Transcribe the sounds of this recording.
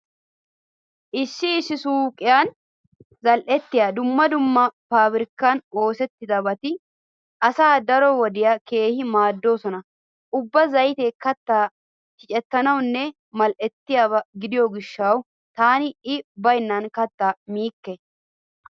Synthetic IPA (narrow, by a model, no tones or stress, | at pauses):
ʔɪʃːɪːsːɪsuːkʼɪjan | zɐlʔɛt̪ːɪjaːd̪ʊmːɐd̪ʊmːɐfaːbɾɪkːɐno̞ːsɛt̪ːɪd̪ɐbɐt̪ɪ | ʔɐsaːd̪ɐɾɔwɔd̪ɪjɐke̞ːhɪmaːd̪ːo̞ːsɔnɐ | ʔʊbːɐzɐjt̪ekɐt̪ːaː | t͡ʃɪt͡ʃʼɛt̪ːɐnɐwnːɛ | mɐlʔɛt̪ːɪjaːbɐɡɪd̪ɪjɔɡɪʃːɐw | t̪aːnɪɪbɐjnːɐnkɐt̪ːaːmiːkːɛ